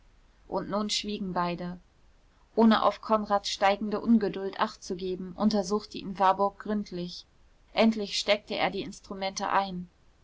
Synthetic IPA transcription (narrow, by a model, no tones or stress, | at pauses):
ʔʊntnuːnʃv̥iːɡŋ̩baɪdə | ʔʔoːnəʔa̰ʊfkʰɔnʁaːtʃtaɪɡŋ̩dəʔʊnɡədʊltʔaχtt͡suɡeːbm̩ʔʊntɐzuːxtəʔḭnvaɐbʊɐk̚ɡ̥ʁʏntʰlɪç | ʔɛntlɪçʃtɛk̚təʔḛːɐdiːɪnstʁ̥umɛntə̰ʔaɪn